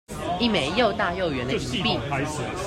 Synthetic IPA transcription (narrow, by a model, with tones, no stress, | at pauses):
i˥˩me˨˩ɪjo˥˧ʊt̪a˥˧jo˥˨ʊɥɛ˨˦nd̪i˧˥pi˥˨